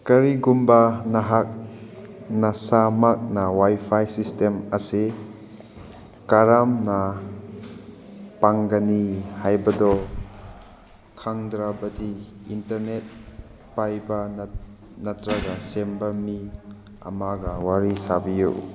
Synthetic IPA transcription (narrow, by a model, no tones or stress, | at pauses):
kɐɾiɡumbanɐɦak̚ | nɐsamak̚nawajpʰajsistemɐse | kaɾamna | paŋɡanihajbɐdɔ | kʰaŋdɾabɐdiintɐɾnet̚ | pajbɐ | nɐtɾɐɡasembɐmi | ɐ̰maɡɐwaɾisabijṵ